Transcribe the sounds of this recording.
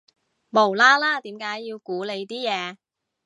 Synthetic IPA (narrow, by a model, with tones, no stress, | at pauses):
mo˨˩wlaː˥laː˥t̪iː˨˥mkaː˨˥jːiː˧wkuː˨˥le˨˧jt̪iː˥jɛː˨˧